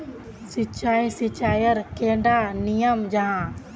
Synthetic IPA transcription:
sɪt͡ʃaːĩsit͡ʃaːjəɾkẽːɳɖanijəmd͡ʒaɦãː

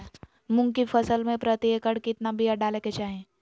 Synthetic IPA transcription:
mʊ̃ŋɡkifəsəlmẽpɾət̪iekəɽkɪt̪nabijaɖaːleket͡ʃaːɦẽ

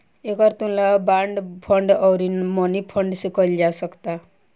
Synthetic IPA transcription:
ekɔɾt̪unlabaɳɖpʰɔɳɖɔwɾinmɔnipʰɔɳɖsikɔjld͡ʒasʌkt̪a

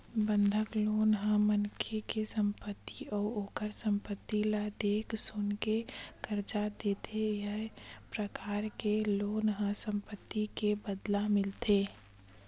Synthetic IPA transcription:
bənd̪ʱəkloːnɦə̃mənkʰekesə̃mpət̪ːiɔːoːkəɾsə̃mpət̪ːilad̪eːksʊnkekəɾd͡ʒad̪eːt̪ʰejəɦpɾəkaːɾkeloːnɦə̃sə̃mpət̪ːikebəd̪lamɪlt̪e

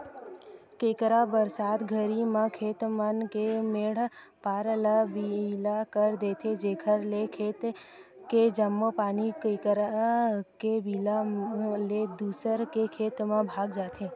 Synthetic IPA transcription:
kekɾabəɾsad̪ɡʱəɾimãkʰet̪mankemeɽ̤ | paɾləbilakəɾd̪et̪ʰed͡ʒeɡʱəɾlekʰet̪ | ked͡ʒəmːopanikekɾakebilaled̪usəɾkekʰet̪mãbʱaɡd͡ʒat̪ʰe

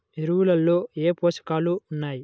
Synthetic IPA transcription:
iɾuwulɐlːo̞ːeːpoːʃɐ̥kaːluːnːaːji

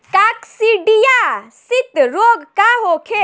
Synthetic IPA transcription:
kaksiɖijasit̪ɾoːɡkaɦoːkʰe

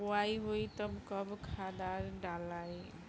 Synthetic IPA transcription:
wajɦojt̪ʌbkʌbkʰad̪aɾɖalaj

